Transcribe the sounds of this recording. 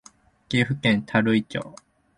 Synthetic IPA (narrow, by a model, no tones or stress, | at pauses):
ɡ̥iɸɯ̟kẽnt̪ʰaɾɯ̟it͡ɕo̰ː